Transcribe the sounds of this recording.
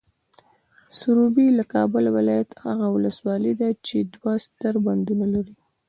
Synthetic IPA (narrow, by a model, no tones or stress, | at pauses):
sʊɾubilakɑbʊlwɪlɑjat̪ha̰ɣawʊləswɑləd̪at͡ʃed̪wast̪əɾband̪unalaɾi